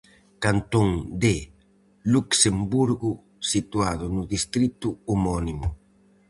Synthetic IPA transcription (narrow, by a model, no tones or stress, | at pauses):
kant̪oŋd̪e | luksembuɾɣu | sit̪uaðonuðist̪ɾit̪uumɔnimu